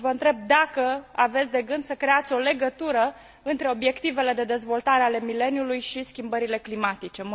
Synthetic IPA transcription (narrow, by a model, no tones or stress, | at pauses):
vəɨnt̪ɾe̞b̚d̪akəave̞t̪sʲd̪e̞ɡɨnd̪səkɾe̞at̪sʲo̞le̞ɡət̪uɾə | ɨnt̪ɾe̞o̞bje̞kt̪ive̞le̞d̪e̞d̪e̞zvo̞lt̪aɾe̞ale̞mile̞njulujʃiskʲimbəɾile̞klimat̪it͡ʃe̞m